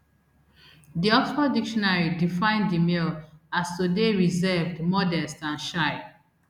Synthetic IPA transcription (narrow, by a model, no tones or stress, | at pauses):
diɔktɔdikʃɔnaɹidifãɪ̃ndimilastodeɹizɛvdmɔdɛstãnʃaɪ